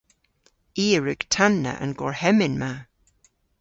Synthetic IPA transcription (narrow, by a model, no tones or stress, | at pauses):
iːəɹʉɡ̥tʰanːə̰ʔə̰nɡɔɹhɛmɪnma